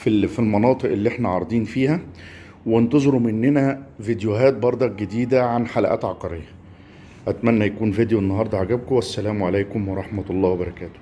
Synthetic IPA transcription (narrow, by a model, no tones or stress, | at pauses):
fifilmɑnɑːt̪ˤɨʔelːiʔeħnæʕɑɾˤd̪ˤiːnfiːhæ | went̪ɑzˤeɾumenːenævid̪joɦæːt̪̚bɑɾˤd̪ˤɑɡed̪iːd̪æʕanħalæ̰ʔæ̰ːt̪ʕɑqɑɾḛjːæ | ʔæt̪mænːæjækuːnvid̪joenːɑɦɑɾˤd̪ˤɑʕaɡæb̚kowæsːælæːmʕalæjkomwɑɾˤɑħmæt̪ɑlˤːɑːwæbɑɾˤɑkæːt̪o̥